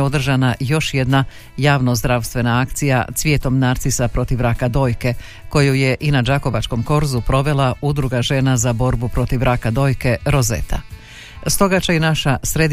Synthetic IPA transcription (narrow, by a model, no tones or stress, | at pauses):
o̞d̪r̩ʒanajo̞ʃje̞d̪na | jaːʋnozd̪ɾaʋst̪ʋe̞naakt̪sija̰t̪sʋʲje̞ːt̪o̞mnaɾt̪sisapɾo̞t̪iʋɾakad̪o̞ːjke̞ | ko̞juje̞ʔinad͡ʒako̞ʋat͡ʃko̞mko̞ɾzupɾo̞ʋe̞lˠaud̪ɾuɡaʒe̞nazabo̞ɾbupɾo̞t̪iʋɾakad̪o̞ːjke̞ɾo̞zḛt̪ʰa̰ | st̪o̞ɡat͡ʃainaʃasɾed̪